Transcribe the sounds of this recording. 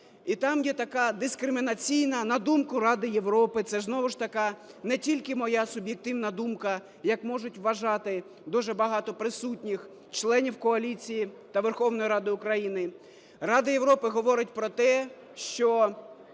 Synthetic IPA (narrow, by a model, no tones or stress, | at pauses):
it̪ɑmjɛt̪ɐkɑd̪ɪskɾɪmʲɪnɐt͡sʲijnɐnɐd̪umkɐɾɑd̪ɪjeʋɾɔpɪt̪sɛznɔʋʊʃt̪ɐkɑ | nɛtʲilʲkɪmɔjɑsʊbʲjek̚t̪ɪwnɐd̪umkɐ | jɐkmɔʒʊtʲʋːɐʒɑt̪ɪ | d̪uʒɛbɐɦɑt̪ɔpɾɪsutʲnʲix | t͡ʃlˠɛnʲiwkɔɐlʲit͡sʲiji | t̪ɐʋerxɔwnɔjiɾɑd̪ɪʊkɾɐjinɪ | rɑd̪ɪjeʋɾɔpɪɦɔʋɔɾɪtʲpɾɔt̪ɛ | ʃt͡ʃɔ